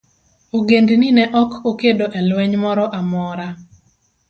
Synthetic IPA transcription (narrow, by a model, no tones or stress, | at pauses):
oɡendninɛʔɔkokedoʔɛlwɛɲmɔɾɔʔamɔɾa